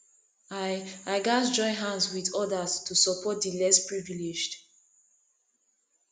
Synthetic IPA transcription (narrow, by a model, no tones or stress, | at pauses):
aaɪɡasd͡ʒɔ̃ɪ̃nɦãnswiðɔdastʰusɔpʰɔt̚dilɛspɹiviled͡ʒd